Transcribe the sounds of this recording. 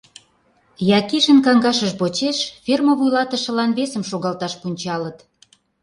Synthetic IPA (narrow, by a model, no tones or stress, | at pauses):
jɑkiʃə̆nkɑŋɡɑʃəʃbot͡ɕeʃfʲerməβujlɑt̪ə̆ʃə̆lɑnβesəmʃoɣɑlt̪ɑʃpunʲt͡ɕɑlət̪